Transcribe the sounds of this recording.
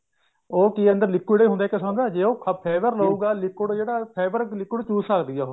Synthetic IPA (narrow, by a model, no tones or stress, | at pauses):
oːkiːə̃nd̪əɾlɪkːɪɽeːɦʊnd̪aːɛːkɪsãːnd̪aːd͡ʒeːoːkʰəpʰɛːʋəɾləuːɡaːlɪkːɪɽd͡ʒeːɽaːpʰɛːbəɾlɪkːɪɖt͡ʃuːsakd̪iːjaːo